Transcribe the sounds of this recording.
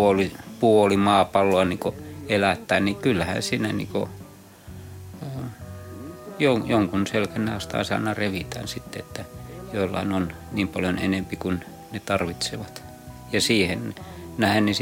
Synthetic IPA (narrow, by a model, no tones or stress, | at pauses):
olipuolimɑːpɑlːoɑniːkoelæt̪ːæːnnikylːæhæ̰nsiːnænḭːko̰ | joŋjoŋkunselkænːeɑst̪ɑ̰ˑisɑ̰ˑinːɑreʋit̪æ̰nsit̪ːeet̪ːæjoilːɑ̰inon | niːmpɑljonḛnempikun | net̪ɑrʋit̪seʋɑt̪ | jɑsiːhennæhennis